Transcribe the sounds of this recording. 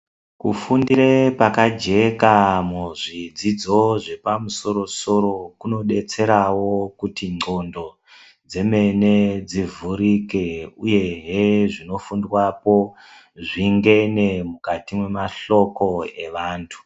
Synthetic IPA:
kufundiɾepakad͡ʒe̞kamuʐid͡zid͡zo̞ʐe̞pamuso̞ɾo̞so̞ɾo̞kuno̞ɗe̞t͡se̞ɾawo̞kutiŋ͡ǀʱo̞ndo̞ | d͡ze̞me̞ned͡zivuɾike̞uje̞ɦeʐino̞fundwapo̞ | ʐiŋɡe̞ne̞mukatimwe̞maɬo̞ko̞e̞ʋaːntʰu̥

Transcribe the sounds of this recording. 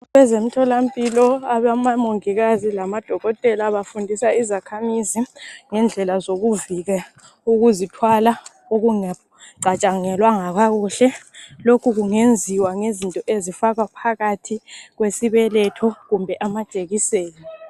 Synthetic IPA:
ɣɛzem̩tʰɔlampʼilɔaβamamoŋiɣazilamad̥ʱɔɣɔtʼɛlaβafundʱisaizakʰamiziŋɛnd͡ɮʱɛlazoɣuviɣa | uɣuzitʰwala | oɣuŋa | ǀʱat͡ʃʼaŋɛlwaŋaɣaɣuɬɛlokʰuɣuŋend͡zʱiwaŋezintʼɔʔezifaɣapʰaɣatʰiɣwesiβɛlɛtʰɔɣumbʱɛʔamat͡ʃʼeɣiseːni

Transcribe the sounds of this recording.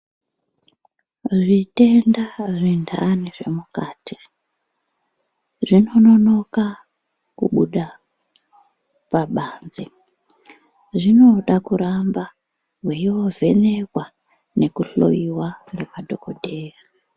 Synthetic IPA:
ʐite̞ndaʐindʱaniʐe̞mukaːti̥ | ʐino̞no̞no̞ka | kṵɓuɗa | paɓaːnze | ʐino̞ɗakuɾamba | ɦweiwo̞vʱe̞nekwa | ne̞kuɬo̞̰iwaŋɡe̞madʱo̞kodʱeːra

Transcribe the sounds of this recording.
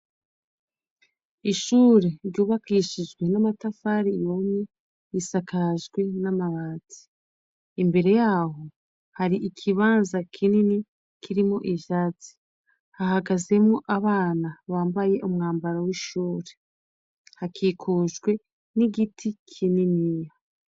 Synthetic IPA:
iʃuːɾe̞ɾɟuːβakiːʃid͡ʒɡwe̞namatafaɾijome | isakaʒɡwe̞namaβaːt͡si̥ː | mbe̞ɾe̞jaːɦo̞ | haɾiʔikʰiβaːnzakʰinini | kiɾimo̞ʔiʃaːt͡si̥ | hahaɡaze̞mŋoʔaβaːnaβaːmbaje̞ʔumŋaːmbaɾawiʃuːɾe | hakiːkʰuːʒɡwe̞ | niɡitʰikʰininija

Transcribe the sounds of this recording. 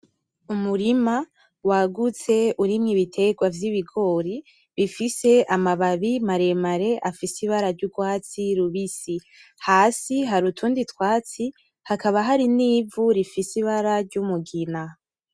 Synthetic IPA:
umuɾima | waɡut͡se̞uɾimŋiβitʰe̞ɡwavjiβiɡo̞ːɾi | βifise̞amaβaβimaɾe̞maɾe̞ʔafisiβaɾaɾɟuɡwaːt͡siɾuβisi | haːsiɦaɾutʰuːnditwaːt͡si | hakaβaɦaɾiniːvuɾifisiβaɾaɾɟumuɡina

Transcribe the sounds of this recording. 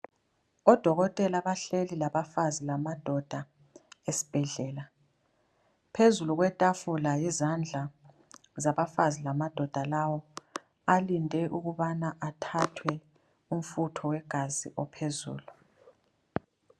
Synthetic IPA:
ɔd̥ʱɔɣɔtʼɛlaβaɬelilaβafazilamad̥ʱɔd̥ʱa | esi̥b̥ʱɛɮɛːla | pʰezuluɣ̬wɛtʼafulajizand͡ɮʱa | zaβafazilamad̥ʱɔd̥ʱalawɔ | alindʱɛʔuɣuβanaʔatʰatʰwɛ | um̩futʰɔwɛɡ̥ʱazḭʔɔpʰezṵːlu

